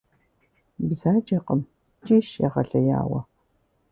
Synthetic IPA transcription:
bzaːd͡ʒɐqəm | t͡ʃʼiːʃjaʁɐɬɐja̰ːwɐ̰

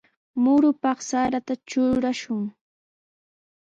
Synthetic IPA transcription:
mʊɾʊpɑχsaɾat̪at͡ʃʊɾaʃʊŋ

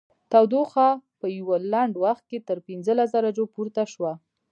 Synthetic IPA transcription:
t̪awd̪oxɑpəjwəlaɳɖwaxt̪̚ket̪əɾpinzəlas̬d̪aɾad͡ʒopuɾt̪aʃwa

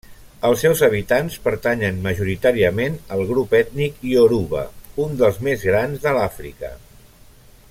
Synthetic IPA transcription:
əlˠsɛwzəβ̞it̪anspəɾt̪aɲənməʒuɾit̪aɾiəmenəlˠɣɾupɛt̪nikioɾuβə̰und̪əlˠzmezɣɾanzðəlafɾḭkə̰

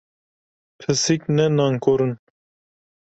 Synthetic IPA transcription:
pʰɨsiknɛnɑːŋkoɾɨn

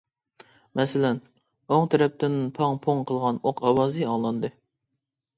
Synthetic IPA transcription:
mɛsɪlɛn | oŋt̪ʰɛɾɛp̚t̪ɪnɪnpʰɑŋpʰoŋqʰəlˠʁɑnoqʰɑwɑːzɨɑŋlˠɑnd̪ɨ

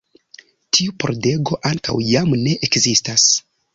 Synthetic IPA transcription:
tʰiupʰo̞ɾde̞ɡo̞ʔaŋka̰wjamne̞ʔekzistas

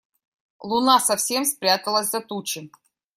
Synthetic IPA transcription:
lˠunasɐfsʲemspɾʲat̪əlˠəsʲzɐt̪ut͡ɕɪ

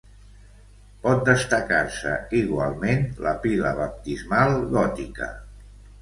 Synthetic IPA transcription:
pɔt̪̚d̪əst̪əkaɾsə̰iɣwalˠmenləpilə̰βəp̚t̪izmalˠɣɔt̪ikə̰

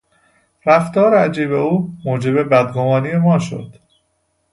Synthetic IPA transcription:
ræft̪ɒːɾeæd͡ʒiːbe̞uːmoːd͡ʒe̞be̞bæd̪ɡomɒːnije̞mɒːʃo̰d̪̥

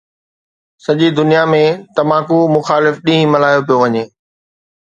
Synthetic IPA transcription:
sɐʄid̪ʊnijamẽt̪ɐmaːkumʊxaːlɪfɗĩɦĩmɐlaːjop̬ijoʋɐɲeː

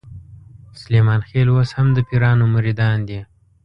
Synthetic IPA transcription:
sʊlemɑnxelwashamd̪əpiɾɑnoməɾid̪ɑnd̪i

